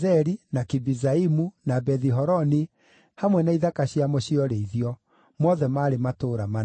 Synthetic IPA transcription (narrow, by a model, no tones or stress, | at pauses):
ɛɾinakibizaimunabɛðiɦɔɾɔne | hamwɛnaiðakaɕiamoɕiɔɾeiðiɔ | mɔðɛmaɾematoːɾama